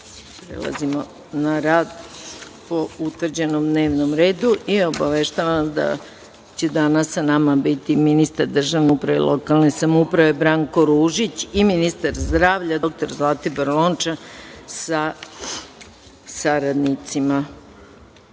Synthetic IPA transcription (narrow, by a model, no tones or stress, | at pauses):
pɾḛlˠa̰zimo̰ | naɾaːd̪po̞ut̪ʋr̩d͡ʑenomd̪ne̞ːʋno̞mɾe̞ːd̪uʔio̞baʋeʃt̪aʋamd̪a̰ | t͡ɕed̪anasːanamabit̪iminist̪aɾd̪r̩ʒaʋneupɾaʋḛlʔokalˠnesamupɾaʋe̞bɾaŋko̞ɾuːʒit͡ɕiminist̪aɾzd̪ɾaːʋʎad̪ok̚t̪oɾzlˠat̪ibɾloːnt͡ʃasa | saɾad̪nit̪sima